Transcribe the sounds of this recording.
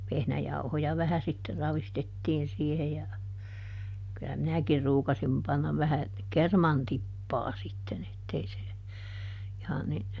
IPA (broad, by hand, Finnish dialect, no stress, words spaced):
ʋehnæjɑuhojɑ ʋæhæ sitːer rɑʋistetːiːn siːhe jɑ kylːæ minækir ruːkɑsim pɑnːɑʋ ʋæhæ kermɑn tipːɑː sitːen etːei se ihɑn ni